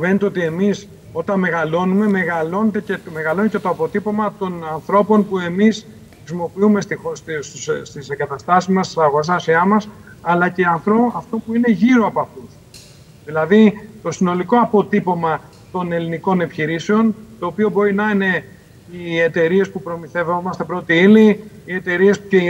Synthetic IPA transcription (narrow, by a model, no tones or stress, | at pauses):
venet̪eot̪ie̞mis | o̞t̪ɐnme̞ɣɐlo̞nume̞me̞ɣɐlo̞net̪eceme̞ɣɐlo̞necet̪o̞ɐpo̞t̪ipo̞mɐt̪o̞nɐnθɾo̞po̞npue̞mis | xɾisimo̞piume̞st̪iosssst̪iseŋɡɐt̪ɐst̪ɐsizmɐst̪i̥sɐɣos̬ɐsiɐmɐs | ɐlɐceɐnθɾo̞ɐft̪o̞puine̞ʝiɾo̞ɐpɐfus | ðilɐðit̪o̞sino̞liko̞ɐpo̞t̪ipo̞mɐ | t̪o̞ne̞liniko̞ne̞piçiɾiseo̞nt̪o̞ːpio̞bo̞ɾinɐine̞ | iet̪e̞ɾie̞spupɾo̞miθe̞vo̞mɐst̪e̞pɾoot̪iili | ie̞t̪e̞ɾie̞spu̥e